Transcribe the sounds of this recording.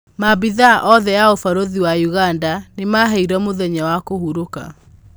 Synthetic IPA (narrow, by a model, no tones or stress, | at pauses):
mabiðaʔɔðɛjaofaɾoðiwajuɣandanemaɦɛiɾɛmoðɛɲawakohuɾoka̰